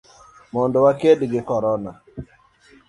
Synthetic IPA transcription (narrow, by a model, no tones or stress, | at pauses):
mɔndɔwakedɡɪkɔɾɔna